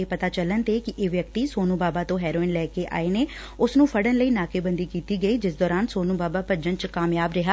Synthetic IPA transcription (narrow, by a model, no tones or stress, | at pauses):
eːpət̪aːt͡ʃələnt̪eːkɪʔeːʋjəkt̪iːsoːnuːbaːbaːt̪õːɦɛːɾoːɪnlɛːkeːʔa̰ːeːneː | ʊsnũːpʰəɽənləiːnaːkeːbənd̪iːkiːt̪iːɡəiːd͡ʒɪsd̪ɔːɾaːnsoːnũːbaːbaːpəd͡ʒənt͡ʃkaːmjaːbɾɪɦaː